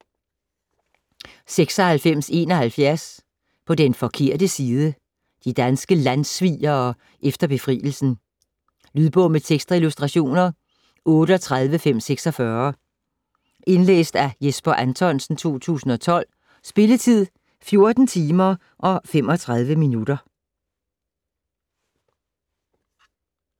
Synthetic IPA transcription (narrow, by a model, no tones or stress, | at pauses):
seɡ̥sɒ̽hælfem̰se̝̰ːnɒ̽hælfjæɐs | pʰɒ̽d̥enfɒ̽kʰe̝ɐ̰d̥əsiːð̞ˠə | d̥id̥ænsɡ̥əlænsʋḭːɐː | ʔefd̥ɐb̥e̝fʁḭːl̩sn̩ | lyðˠb̥ɔʊmət͡sʰeɡ̥sd̥ʁɑilusd̥ʁɑ̈ɕo̝̰ːnɐ | ʔɔ̽ːɾəɒt͡sʰʁað̞ˠʋəfem̰seɡ̥sɒ̽fɶɐ | e̝nlḛːsd̥æjesb̥ɐʔænt͡sʰɒ̽nsn̩t͡sʰo̝̰ːt͡sʰṵːsn̩ɒ̽t͡sʰɒ̽l̰ | sb̥e̝lət͡sʰið̞̰ˠ | fjo̝ɐd̥n̩t͡sʰiːmɐ | ʔɒ̽fem̰ɒ̽t͡sʰʁað̞ˠʋəminud̥ɐ